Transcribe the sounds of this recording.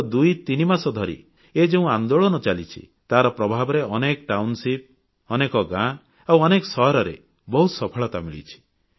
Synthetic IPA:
d̪ujt̪inimasɔd̪ʱɔɾḭ | ed͡ʒeũand̪oɭɔnɔt͡ʃalit͡ʃʰḭ | t̪aɾɔpɾɔbʱabɔɾeɔnekɔʈawnsip̚ | ɔnekɔɡã | awɔnekɔsɔɦɔɾɔɾḛ | bɔɦut̪sɔpʰɔɭɔt̪amiɭḭt͡ʃʰi̥

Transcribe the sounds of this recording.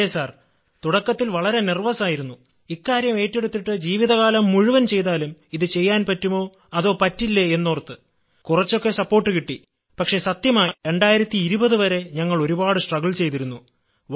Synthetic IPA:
esaːr | t̪uɽɐkːɐt̪ːilʋɐɭɐɾe̞nirʋɐsaːjiɾunːu | ikːaːɾjɐme̞ːtːe̞ɽut̪ːiʈːɨd͡ʑiːʋiðɐɣaːlɐmːuɻuʋɐnt͡ɕe̞jt̪aːlumiðɨt͡ɕe̞jːaːnpɐtːumo̞ː | ɐðo̞ːpɐtːilːeenːoːrt̪ːɨ | kurɐt͡ɕːo̞kːe̞sɐpːo̞ːrʈːɨkiʈːi | pɐkʂe̞sɐt̪jɐmaːɾe̞ɳɖaːjiɾɐt̪ːiːɾubɐðɨʋɐɾe̞ɲɐŋːɐɭo̞ɾubaːɽɨsʈrɐɡɐɭt͡ɕe̞jt̪iɾunːu

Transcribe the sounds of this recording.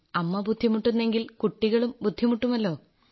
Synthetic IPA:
ɐmːɐbud̪ʱːimuʈːunːe̞ŋɡilkuʈːiɣɐɭumbud̪ʱːimuʈːumɐlːo̞ː

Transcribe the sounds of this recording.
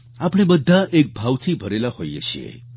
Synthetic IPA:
apɽ̃ebəd̪ʱːaʔek̚bʱawt̪ʰibʱəɾelahojḛt͡ʃʰḭḛ

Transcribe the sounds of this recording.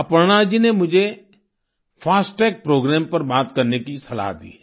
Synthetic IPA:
ɐpɾɽ̃ad͡ʒinemʊd͡ʒʱe | fʰaːsʈɛːk̚pɾoːɡɾɛːmpɐɾbaːt̪kɐɾnekisɐla̰d̪ḭː

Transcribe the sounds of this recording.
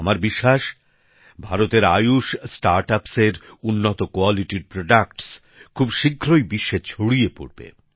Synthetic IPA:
amaɾbiʃːaʃ | bʱaɾot̪eɾa̰juʃsʈaɾʈapseɾunːot̪okoaliʈiɾpɾoɖakʈs | kʰubʃiɡʱːɾojbiʃːet͡ɕʰoɽiepo̰ɽbḛ

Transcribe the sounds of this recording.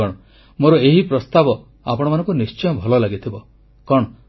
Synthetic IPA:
ɔɽ̃ɔ | moɾɔeɦipɾɔst̪abɔ | apɔɽ̃ɔmanɔŋkunist͡ʃɔjɔbʱɔlɔlaɡit̪ʰibɔ | kɔɽ̃ɔ

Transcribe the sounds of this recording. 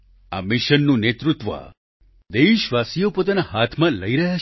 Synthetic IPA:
a̰mɪʃənːũnet̪ɾut̪ʋə̰ | d̪eiʃʋasijopot̪anahat̪ʰmãləiɾəɦa

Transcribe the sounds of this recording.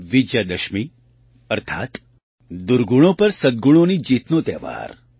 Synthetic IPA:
ʋid͡ʒjad̪əʃmi | əɾt̪ʰa̰ːt̪ | d̪uɾɡuɽ̃õpəɾsəd̪ɡuɽ̃onid͡ʒiːt̪not̪ɛːʋa̰ːɾ

